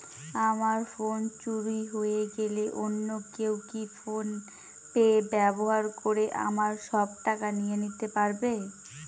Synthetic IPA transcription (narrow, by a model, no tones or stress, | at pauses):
amaɾfont͡ɕuɾiɦojeɡeleʔonːokewkifon | peebɛboɦaɾkoɾeʔa̰maɾʃɔb̚ʈakanijenit̪epaɾbe